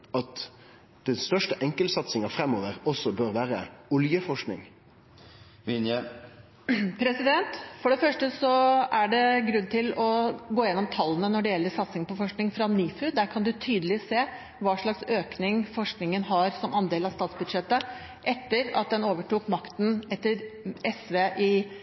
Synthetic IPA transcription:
ɑt̪ | d̪̥ɛnst̪œʂʈəʔɛŋkəlsɑt̪sɪŋɑfɾɛmːoːʋəʁɔsːɔbøːɾʋæːɾəʊljəfɔʂknɪ̰ŋ | ʋɪnjə | pʰɾɛsɪd̪ɛnt̪fɔɖɛfœʂʈəsɔæɖɛɡɾʉnːt̪ɪlɔɡoːjɛnːɔmt̪ʰɑlːənənɔɖɛjɛlːəɾsɑt̪sɪŋpɔfɔʂknɪŋfɾɑniːfʉd̪æːɾkʰɑnd̪ʉt̪ʰyːd̪əlɪseː | ʋɑːʂɭɑksøːknɪŋfɔʂknɪŋənɦɑɾsɔmʔɑnd̪eːlɑst̪ɑːt̪sbʉd̪ʂɛt̪ːə | ʔɛt̪ːəɾɑ̰t̪̚d̪ɛnoːʋəʈuːkmɑkt̪n̩ɛt̪ːəɾɛsʋeːʔɪ

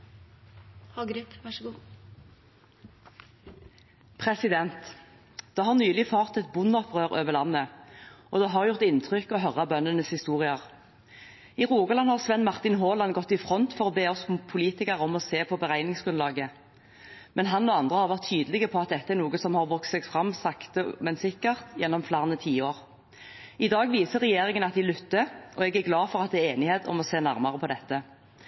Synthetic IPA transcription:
ɑɡɾtɡ | pʰʁɛsɪd̪ɛnt̪ | d̪̥ɑːhɑʁnyːlɪfɑːʁt̪ɛt̪̚bʊnɔpʰʁøːʁøːʋəʁlɑnːəɔd̪ɛɦɑʁjʊʁt̪ɪnt̪ʰʁʏkɔɦœʁːɑbœnənəshɪst̪uːʁɪəʁ | iʁuːɡəlɑnhɑʁsʋɛnmɑʁt̪ɪnɦoːlɑnɡɔt̪ːɪfʁɔnt̪fɔʁoːbeːɔsmpʰʊliːt̪ɪkəʁɔmɔseːpʰɔbəʁæɪnɪŋsɡʁʉnlɑːɡə | mɛnɦɑnoːɑnd̪ʁəhɑʁʋæɾʁt̪ʰːyːd̪əlɪɡəpʰɔɑt̪̚d̪ɛt̪ːəæɾnuːɡəsɔmhɑʁʋɔkssɛːɡfʁɑmːsɑkt̪əmɛnsɪkːəʁt̪jɛnːɔmflæʁnət̪ʰiːoːʁ | ɪd̪ɑːɡʋiːsəʁːɛjeːɾɪŋənɑt̪̚d̪ɪlʉt̪ːəʔɔɛɡæɾɡlɑːfɔʁɑt̪̚d̪ɛɛːeːnɪheːt̪ʰɔ̰mɔseːnæʁmɑʁəpʰɔd̪ɛt̪ːə

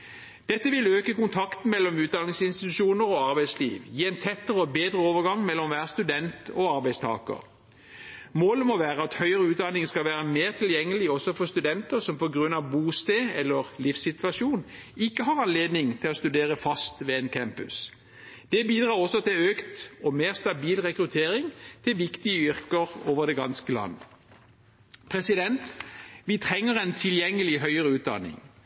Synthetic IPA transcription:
d̪̥ɛt̪ːəʋɪløːkəkʊnt̪ʰɑkt̪n̩mɛlːɔmʉːt̪̚d̪ɑnɪŋsɪnst̪ɪt̪ʉʃuːnəɾɔɑɾbæɪslḭːʋjiːɛɪnt̪ʰɛt̪ːəʁəɔbeːd̪ʁəoːʋəʁɡɑŋmɛlːɔmʋæːʁəst̪ʉd̪ɛnt̪ɔɑɾbæɪst̪ʰɑ̰ːkə̰ʁ | moːləmɔʋæːʁəɑt̪hœʏəʁəʉːt̪̚d̪ɑnːɪŋəskɑlʋæːʁəmeːʁt̪ʰɪljɛŋːəlɪɔsɔfɔʁst̪ʉd̪ɛnt̪əʁsɔmpʰɔɡʁʉnːɑʋbuːst̪eːɛlːəʁlɪfsɪt̪ʋɑʂjuːn | ɪkːəɦɑʁɑnleːd̪nɪŋt̪ʰɪlɔst̪ʉd̪eːʁəfɑst̪ʋɛeːnkʰɛmpʉ̰s | d̪̥ɛbiːd̪ʁɑːʁɔsːɔt̪ʰɪløːkt̪ɔmeːʁst̪ɑbiːlʁɛkʁʉt̪ʰeːɾɪŋt̪ʰɪlʋɪkt̪ɪəʏʁkəʁoːʋəʁd̪ɛɡɑnskəlɑ̰nːə | pʰʁɛsɪd̪ɛnt̪ʋɪt̪ʰʁɛŋːəʁɛnt̪ʰɪljɛŋːəlɪɦœʏəʁəʉːt̪̚d̪ɑ̰nɪ̰ŋ

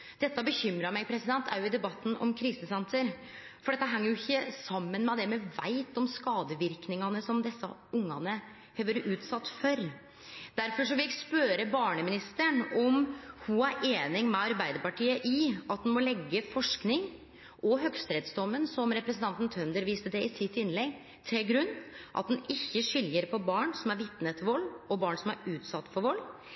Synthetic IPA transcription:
d̪̥ɛt̪ːəbəçʏmɾɑmɛɪpʰɾɛsɪd̪ɛnt̪ʰæɾjʊɪd̪ɛbɑt̪ːn̩ɔ̰mkʰɾiːsəsɛnsəɾ | fɔɖɛt̪ːəɦɛŋːəɾjʊɪçːəsɑmːənmɛd̪ɛmɛʋæ̰ɪt̪ɔmskɑːd̪əʋɪɾknɪŋɑnəsɔmd̪ɛsːɑʊŋːɑ̰nə | heːʋəɾʔʉːt̪sɑt̪ːfœɾ | d̪̥æɾfɔʂ̬ɔʋɪlɪspøːɾəbɑːɳəmɪnɪst̪əɳɔmhʊæɾeːnɪŋmɛɑɾbæɪd̪əɾpɑʈʰiːəʔɪɑt̪̚d̪ɛnmɔlɛɡːəfɔʂknɪŋ | ɔɦœɡst̪ɾeːd̪sd̪ɔmːənsɔmɾɛpɾsənt̪ʰɑnt̪n̩t̪ʰœnd̪əɾʋiːst̪əd̪ɛɪsɪt̪ːɪnlɛɡ | t̪ʰɪlɡɾʉnːʔɑ̰t̪̚d̪ɛnɪçːəʂʏljəɾpʰɔbɑːɳsɔmæɾʋɪt̪nət̪ʋɔlːɔbɑːɳsɔmæɾʉːt̪sɑt̪ːfɔɾʋɔl

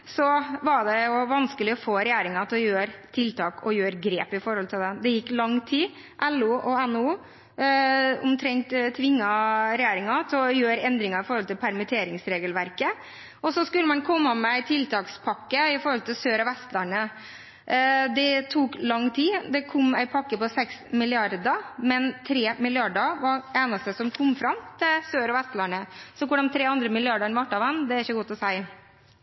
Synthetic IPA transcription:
sɔʋɑɖɛjʊʋɑnskəlɪɔfoːɾɛjæːɾɪŋɑt̪ʰlɔjøːɾt̪ʰɪlt̪ʰɑːkɔjøːɾɡɾeːpɪfɔɾhɔlt̪ʰɪld̪ɛd̪ɛjɪkːlɑŋt̪ʰiː | ʔɛlːʊʔɔɛnːuː | ʊmt̪ʰɾɛŋt̪t̪ʰʋɪŋːɑɾɛjæːɾɪŋɑt̪ʰɪɔjøːɾɛnd̪ɾɪŋɑɾɪfɔɾhɔlt̪ɪlpʰæɾmɪt̪ʰeːɾɪŋsɾeːɡəlʋæɾkə | ɔsɔskʉlːəmɑnkʰɔmːəmɛæɪt̪ʰɪlt̪ʰɑːkspʰɑkːəɪfɔɾɔlt̪ɪlsøːɾɔʋɛst̪læɳə | d̪ɛt̪ʰuːklɑŋːt̪ʰiːd̪ɛkʰɔmːæɪpʰɑkːəpɔsɛksmɪlɪɑɾd̪əmɛnt̪ʰɾeːmɪlɪɑɖəʋɑeːnəst̪əsɔmkʰɔmːfɾɑmt̪ʰɪlsøːɾɔʋɛst̪lɑɳəsɔkʊɖɑnt̪ʰɾeːɑnd̪ɾəmɪlɪɑɖəɳʋɑʈːɑʋɛnːd̪ɛæɾɪçːəɡuːt̪ʰɔsæɪ

